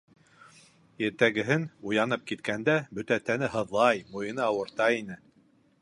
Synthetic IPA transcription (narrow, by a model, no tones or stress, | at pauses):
jɘ̆ɾt̪æɡɘ̆ɦɘnujɑnɤp̚kit̪kænd̪æbɵ̆t̪æt̪ænɘɦɤ̆ðlˠɑjmujɤ̆nɤɑwɤ̆ɾt̪ɑinɘ